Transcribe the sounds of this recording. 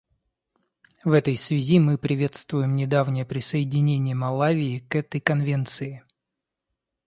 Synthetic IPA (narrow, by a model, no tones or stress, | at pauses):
vɛt̪əjsvʲɪzʲimɨpɾʲɪvʲe̞t̪st̪vʊjɪmnʲɪd̪avnʲɪjəpɾʲɪsəɪdʲɪnʲenʲɪjəmɐlˠavʲɪɪkɛt̪əjkɐnvʲe̞nt̪sɨɪ